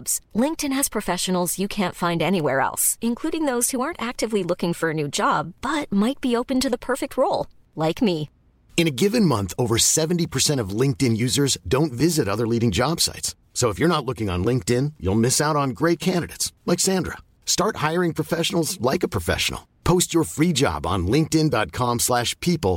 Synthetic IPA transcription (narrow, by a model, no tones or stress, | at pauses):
bz̥lɪ̃ŋk̚tɨ̃nɨz̥pʰɹ̥ɨfɛʃɨn̩l̩ˠz̥jɨkʰæ̃ntfãɪ̃ndɛñiwɛ̰ɹɛ̰lˠsɨ̃nkʰl̥uɾɪ̃ŋðoʊz̥huɑɹntæk̚tɨvlilʊkɪ̃ŋfə˞ɨnʉd͡ʒɑb̚b̥ʌt̚maɪt̚b̥ioʊpɨ̃ntɨðəpʰɜ˞fɨk̚t̚ʰɹoʊlˠ | laɪkmi | ɨ̃ñɨɡɪvɨ̃nmʌ̃nθoʊvə˞sɛṽn̩tipʰə˞sɛ̃ɾ̃ʌvlɪ̃ŋk̚tɨ̃njʉzə˞zdõʊ̃ntvɪzɨɾʌðə˞liɾɪ̃ŋd͡ʒɑb̥sa̰ɪts | soʊəfjə˞nətˡlʊkɪ̃ŋə̰̃nlɪ̃ŋk̚tɪ̃njṵlˠmɪsaʊɾn̩ɡɹeɪt̚kʰæ̃ndɨɾɨ̰tslaɪksæ̃ndɹə̰ | stɑɹt̚haɪə˞ɪ̃ŋpʰɹ̥ɨfɛʃn̩l̩ˠzlaɪkəpʰɹ̥əfɛ̰ʃə̰n̩l̩ˠpʰoʊst͡ʃə˞fɹid͡ʒɑ̰bn̩lɪ̃ŋk̚tɪ̃ndɑt̚kʰɑ̃mslæʃpʰipl̩ˠ